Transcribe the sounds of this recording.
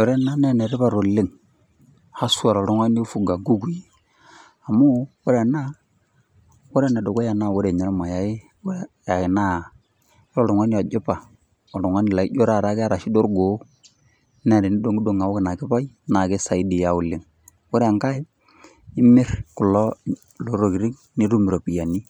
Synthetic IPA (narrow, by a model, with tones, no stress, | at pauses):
o˨ɾɛ˦na˦nɛ˦nɛ˨ɾɪ˦ba˨ɾo˨lɪ˦ŋ | ha˦su˦a˨ɾɔ˨lʊ˦ŋwa˦n˦o˦fu˨ɡa˨ɡu˦ku˨i˦ | a˨mu˦wo˦ɾe˨na˦ | wo˦ɾɛ˦nɛ˨do˨ko˦ja˨na˦˨wo˦ɾe˨ɲɛ˨ɾma˨ja˨˦ɪ˦ | ja˨ɪ˨na˦˨˦ | ɾɔ˨ɾo˨ŋwa˦ni˦a˨d͡ʒɪ˦pa˨ | ɔ˨lo˨ŋwa˦nɪ˨la˨ḭ˦ɟo˦ɾa˦˨ɾa˨˦kɪ˦a˦ɾa˨ʃɪ˦do˦ɾɡo˨˦ | nɛ˨ɾɛ˨nɪ˦do˨ŋɡi˦do˦ŋa˨wo˦kɪ˨na˨kɪ˦pa˦i˦na˨kɪ˦sa˨i˦di˨ja˨˦ʊ˨lɪ˨ŋ | wo˦ɾɛ˦a˨ŋka˦ɪ˦ | ɪ˦mɪ˦ɾkʊ˨lɔ˦ | lo˨˦ɾo˨ki˨ɾi˦ŋ | ni˦ɾu˦mi˨ɾo˨pi˨ja˨ni˦